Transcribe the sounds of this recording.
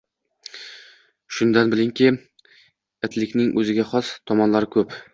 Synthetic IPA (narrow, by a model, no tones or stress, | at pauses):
ʃʊnd̪anbɪlɪŋkʲi | ɪt̪lɪkʲnɪŋʔɵzɪɡʲaχɒst̪ʰɒmɒnlaɾɪkʰɵp